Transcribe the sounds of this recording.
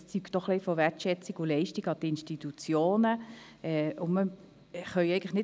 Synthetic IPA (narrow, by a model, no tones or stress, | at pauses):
st͡syːktd̥ɔχlifɔʋɛtʃɛt͡siɡʊlɛɪʃtiɡɑtɪnʃtit̪ut͡sjoːnə | ɛʊnmə | χœjɛɪɡən̩ləχnɪ